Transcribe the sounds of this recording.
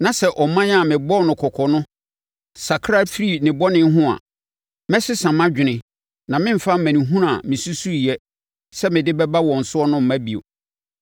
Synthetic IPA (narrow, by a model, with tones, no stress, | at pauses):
nã˨sɛ˦ʔɔ˨mã˦ɲ˦a˨mɪ̃˨bɔ˦nʊ̃˨kʰɔ˨kʰɔ˨nʊ̃˦ | sa˨kʰɾa˦fɾi˦˨nɪ̃˨bɔ˦nɪ̃˦ɦʊ̃˦a̰˨ | mɛ̃˦sɪ˦sã˨mã˦d͡ʑᶣɪ˨nɪ̃˨ | nã˨mɪ̃˦m̩˨fa˦m˦mæ̃˨nĩ˨ɦũ˦n˦a˨mɪ̃˨su˦su˦˨ɛ˦ | sɛ˦mɪ̃˨dɪ˦bɛ˦ba˦wɔ̃˨n̩˨sʊ˦ɔ˦nʊ̃˦m̩˨mæ̃˦bi˨o̰˨